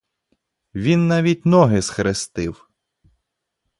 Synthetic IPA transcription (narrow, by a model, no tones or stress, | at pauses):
ʋʲinːɑʋʲitʲnɔɦɪsxɾɪst̪ɪw